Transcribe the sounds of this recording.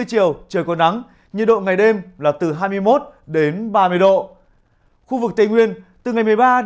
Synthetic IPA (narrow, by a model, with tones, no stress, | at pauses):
əjt͡ɕi˨˩əwt͡ɕəː˨˩jkɔ˨˩nːa˨˦ŋ | ɲɨ̰˧˨ɗo̰˧˨ŋa˨˩jɗe˧mlaː˨˩t̪ɨ˨˩ɦaː˧jmɨ˧əjmo˦˥t̚ɗe˨˦nɓaː˧mɨ˧əjɗo̰˧˨ | xu˧vɨ˨˩k̚t̪e˧˩ŋwi˧ənt̪ɨ˨˩ŋa˨˩jmɨ˨˩ə˩jɓaː˧